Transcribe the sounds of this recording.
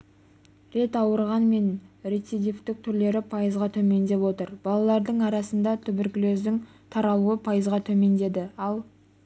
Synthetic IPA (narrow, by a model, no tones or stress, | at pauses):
ɾe̞t̪ɑwəɾʁɑnme̞nɾet̪sid̪ʲift̪ɪk̚t̪ʰʏɾle̞ɾɪpʰɑjəzʁɑt̪ʰɵme̞nd̪e̞pwo̞t̪əɾb̥ɑlˠɑlˠɑɾd̪əɴɑɾɑsənd̪ɑt̪ʰʏbɪɾkʲɪløzd̪ɪŋ | t̪ʰɑɾɑlˠuəpʰɑjəzʁɑt̪ʰɵme̞nd̪e̞d̪ɪɑlˠ